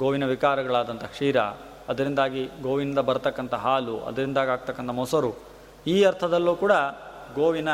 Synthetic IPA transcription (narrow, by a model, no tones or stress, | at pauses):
ɡoːʋinɐʋikaːɾɐɡɐɭaːd̪ɐnt̪ʰɐkʂiːɾɐ̰ | ɐd̪ɐɾind̪aːɡiɡoːʋinind̪ɐbɐɾt̪ɐkːɐnt̪ɐɦaːluʔɐ̰d̪ɐɾind̪aːɡiaːɡ̚t̪ɐkːɐnt̪ʰɐmɔsɐɾu | iːɐɾt̪ʰɐd̪ɐlːuːkuːɽɐɡoːʋinɐ